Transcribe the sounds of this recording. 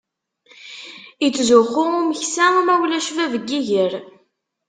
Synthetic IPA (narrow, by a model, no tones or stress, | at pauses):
it͡sːzʊχʊʁʊməçsæmæwlæʃvævəɡːiʝəɾ